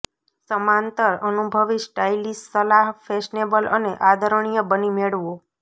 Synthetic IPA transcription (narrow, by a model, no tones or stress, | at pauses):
səmãnt̪əɾənubʱəʋisʈailissəlaɦfʰeʃnebəlʔəneʔad̪ʱəɾəɳ̃ijəbənimeɭʋo